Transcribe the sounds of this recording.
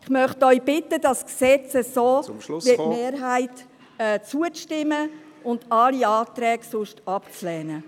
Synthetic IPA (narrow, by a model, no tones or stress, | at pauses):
ɪχmœχtœʏb̥ɪtədɑsksɛt͡səsoːʋɪtmeːɾɦæɪt | ɛt͡suətɪmːə | ʊndɑliɑːtɾɛːɡsʊʃtɑpt͡slɛːnə